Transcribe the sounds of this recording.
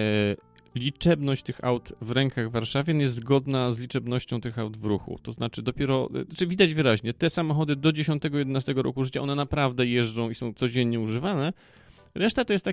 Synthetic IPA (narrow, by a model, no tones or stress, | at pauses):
lʲit͡ʂɛbnɔɕt͡ɕt̪ɘxa̰wt̪vɾɛŋkaɣvːaɾʂavʲjɛnjɛst̪zɡɔd̪nazlʲit͡ʂɛbnɔɕt͡ɕɔ̃w̃t̪ɘxawd̪vɾuxṵt̪ɔznat͡ʂɘd̪ɔpʲjɛɾɔat͡ʂɘvʲid̪ad͡ʑvɘɾaʑɲɛt̪ɛsamɔxɔd̪ɘd̪ɔd͡ʑeɕɔ̃nt̪ɛɡɔjɛd̪ɛnast̪ɛɡɔɾɔ̰kuʐɘt͡ɕaɔnɛnapɾavd̪ɛjɛʐd͡ʐɔ̃w̃isɔ̃w̃t̪sɔd͡ʑeɲɲɛuʐɘvanɛ | ɾɛʂt̪at̪ɔjɛst̪t̪ːa